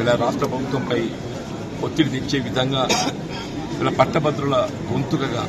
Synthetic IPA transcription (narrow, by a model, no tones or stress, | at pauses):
ɛlːɐːɾaːʂʈɾɐbʱɐbʱut̪ʋɐmpɐj | ot̪ːiɽid̪iɲt͡ʃeːʋid̪ʱɐŋɡaː | ɐlːɐpɐʈːɐbɐd̪ɾulɐ | ɡunt̪uɡɐɡɐ̰